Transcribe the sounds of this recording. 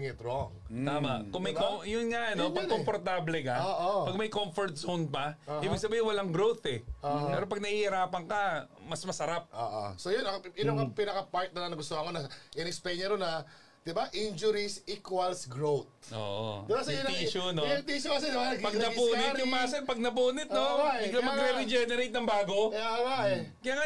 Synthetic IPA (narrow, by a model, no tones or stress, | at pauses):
ŋɛt̪ɾoŋaːma̰ʔkʊŋmɐjkojʊnŋaʔɐnopɐkompoɾt̪ablɛkaoʔopɐɡ̚mɐjkomfoɾt̪̚sownpɐʔɪbiɡsɐbiːjɪwɐlaŋɡɾowθɛopɛːɾopɐɡ̚nɐhihɪɾaːpɐŋkɐmɐsmɐsɐɾap̚ʔo̰ʔo̰sojʊnɐŋɪnoŋɐpinɐkɐpaɹt̪̚nɐnɐnɐɡʊs̬t̪ohɐŋkonɐʔɪnɛkspɛɲɛɾonɐ | d̪̥ɪbaʔind͡ʒʊɾisikwɐlsɡɾowt̪̚ʔo̰ʔo̰asɐniʃonot̪iʃokɐsɛpɐɡnɐpuːnɪt̪jʊŋmaːsɐnpɐɡ̚nɐp̬uːnɪt̪̚nowaɪlɐmɐɡɾɛɾɪd͡ʒɛnɛɾejt̪nɐŋbaːɡo̞awakɐjaːŋa